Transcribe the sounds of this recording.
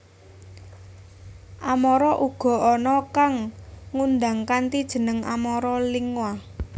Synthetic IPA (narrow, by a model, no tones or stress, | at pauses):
ʔamɔɾɔʔuɡ̥ɔ̤ʔɔnɔkaŋːund̪aŋkant̪id̥ʒ̥ə̤nəŋa̰mɔɾɔliŋwa